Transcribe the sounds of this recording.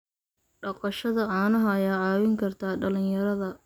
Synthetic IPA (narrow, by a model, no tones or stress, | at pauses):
ɖɑqɑʃɐðɐʔɑːnɐɦɐːjaːʕɑːwɪŋkʰɐrt̪ʰaːɖɐlɪnjɐɾɐðɐ